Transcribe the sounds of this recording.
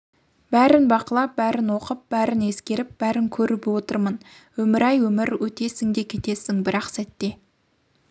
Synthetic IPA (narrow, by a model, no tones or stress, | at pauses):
b̥æɾɪnbɑqəlˠɑp̚bæɾɪnwo̞qəp̚bæɾɪne̞skʲe̞ɾɪp̚b̥æɾɪŋkʲʰɵɾɪpwot̪əɾmənwɵmɪɾɑjwɵmɪɾwɵt̪e̞sɪŋd̪e̞kʲʰe̞t̪e̞sɪŋbɪɾɑqsæt̪ːe̞